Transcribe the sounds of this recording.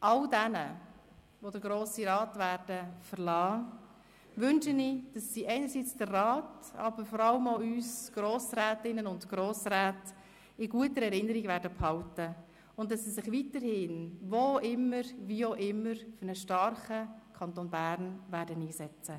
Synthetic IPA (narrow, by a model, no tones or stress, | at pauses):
ʔɑldɛnə | ʋodəɾɡɾoːsiɾɑːtʋæːɾd̥əfəɾlɑː | ʋʏnʃənɪd̥ɑsːiːʔɛɪnəɾsiːt͡sd̥ərrɑːtɑ̰bəɾfɔɾɑləmoyːsɡ̥ɾoːsɾæːtɪnənʊndɡ̥ɾoːsɾæːt | ɪɡuətəɾɛɾɪnəɾiɡvæːɾdəphɑltə | ʊnddɑsːisɪχʋitəɾhɪnvoʔɪmːəɾʋiːoʔɪmːəɾfʏɾnəʃtɑɾχəkʰɑntoːnbæːɾnvæːɾdəniːsɛt͡sə